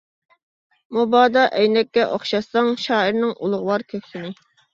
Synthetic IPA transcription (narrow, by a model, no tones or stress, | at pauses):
mobɑːd̪ɑʔɛjnɛkʲːɛʔoχʃɑsɑŋʃɑːɪɾnɪŋʔulˠʊʁwɑɾkʲʰøkʲsɪnɪ